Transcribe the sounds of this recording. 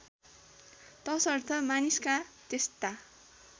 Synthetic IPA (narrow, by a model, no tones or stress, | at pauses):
t̪ʌsʌrt̪ʰʌmaniskat̪est̪a